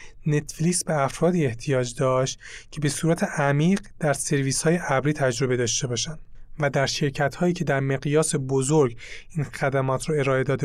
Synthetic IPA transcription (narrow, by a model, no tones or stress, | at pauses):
ne̞t̪ʰfliːsbeæfɾɒːd̪iːe̞ht̪ʰijɒːd͡ʒd̪ɒːʃt̪cʰe̞be̞suːɾæt̪ʰe̞ʔæmiːɢd̪̥æɾse̞ɾviːshɒːje̞ʔæbɾiːt̪ʰæd͡ʒɾo̞be̞d̪ɒːʃt̪e̞bɒːʃænd̪̥væd̪æɾʃe̞ɾcʰæt̪hɒːjiːcʰe̞d̪æɾme̞ɣijɒːse̞bozoɾɡ | iːnxæd̪æmɒːt̪ʰɾɒe̞ɾɒːe̞d̪ɒːd̪e